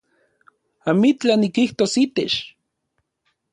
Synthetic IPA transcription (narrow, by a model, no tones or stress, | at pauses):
amit͡ɬanikiht̪osit̪et͡ʃ